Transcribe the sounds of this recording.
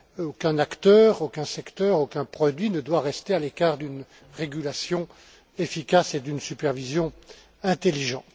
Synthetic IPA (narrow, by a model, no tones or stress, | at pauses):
okʲɛ̃nakt̪œːʁokʲɛ̃sɛkt̪œʁokʲɛ̃pχɔd̪ɥinəd̪waʁɛst̪ealekaːʁd̪yn | ʁeɡʲylasjɔ̃ | efikʲased̪ynsypɛʁvizjɔ̃ | ɛ̃t̪eliʒɑ̃t̪